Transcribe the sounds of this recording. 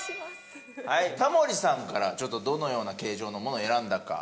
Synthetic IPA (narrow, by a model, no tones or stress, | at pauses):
hait̪amo̞ɾʲisãŋkaɾat͡ɕo̞t̪ːo̞d̪o̞no̞jo̞ːnake̞ːʑo̞ːno̞mo̞no̞e̞ɾãnd̪aka̰